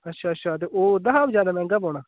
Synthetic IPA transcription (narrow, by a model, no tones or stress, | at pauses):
ətːʃʰaːətːʃʰaːt̪̬eːʔoːd̪aɦaːbd͡ʒjaːd̪aːmɛ̃ːŋɡaboːɽaː